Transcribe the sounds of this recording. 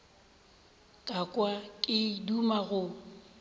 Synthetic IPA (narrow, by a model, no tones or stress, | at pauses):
kʼakʼwakʼɪidumaɣʊ